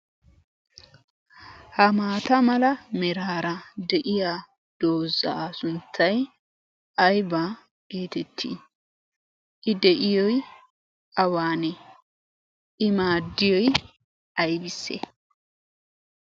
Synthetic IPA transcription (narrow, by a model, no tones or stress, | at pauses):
hɐmaːt̪ɐmɐlɐmɛɾaːɾɐd̪ɛʔɪjaː | d̪̥o̞ːzːɐ̰sʊnt̪ʰːɐj | ʔɐjba | ɡ̥eːt̪ɛt̪ʰːḭ | ʔɪd̪ɛʔɪjɔj | ʔɐwaːnɛ | ʔɪmaːd̪ːɪjɔj | ɐjbɪsːɛ̰